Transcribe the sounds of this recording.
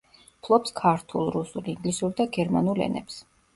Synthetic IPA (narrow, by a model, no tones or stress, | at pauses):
pʰlˠɔpskʰaɾt̪ʰulˠɾusulˠiŋɡlisuɾd̪aɡɛɾma̰nulɛ̰nɛ̰ps